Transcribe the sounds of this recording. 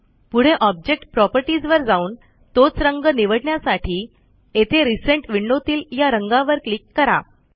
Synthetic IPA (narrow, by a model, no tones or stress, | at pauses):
puɽ̤eʔɔb̚d͡ʑek̚ʈpɾɔpəɾʈid͡zʋəɾd͡zauːn | t̪ot͡sɾəŋɡəniʋəɽɳjasaʈʰiː | et̪ʰeɾisəɳʈʋiɳɖot̪iːljaɾəŋɡãʋəɾklikːəɾa̰